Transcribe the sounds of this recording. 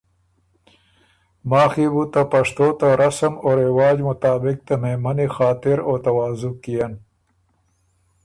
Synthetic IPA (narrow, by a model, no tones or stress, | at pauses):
maːxibut̪apɐʂt̪oːt̪aɾɐsɐmoɾewɑːd͡ʒmʊt̪aːbɪk̚t̪amemɐnixaːt̪ɪɾoːt̪ɐwaːzʊkːijan